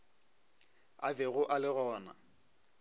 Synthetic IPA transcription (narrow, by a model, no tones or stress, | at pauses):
abɛɣʊʔalɪɣɔːna̰